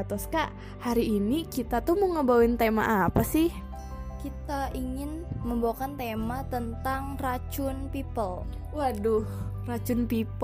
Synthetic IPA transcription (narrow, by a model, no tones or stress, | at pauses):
t̪ɔskaʔ | haɾiːnikit̪at̪uhmuŋəbawuɪnt̪ema̰ʔapasɪh | kit̪aʔiŋɪnməmbawakant̪emat̪ənt̪aŋrat͡ʃʊnpipəl | wadʊhrat͡ʃʊnpip